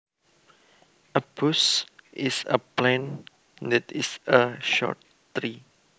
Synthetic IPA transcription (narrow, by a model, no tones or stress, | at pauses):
əpusʔisə̰plɛ̃n | dɛtisəʃɔ̰t̚ | tɹi